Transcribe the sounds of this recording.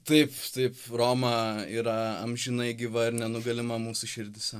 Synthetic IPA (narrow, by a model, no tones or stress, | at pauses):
t̪ɐɪpt̪ɐɪproːmɑiːɾɐɐmʲʒʲɪnɐɪɡʲɪʋɐɪɾnʲɛnʊɡɐlʲɪmɐmuːsʊʃʲɪɾʲd̪ʲɪsʲɛ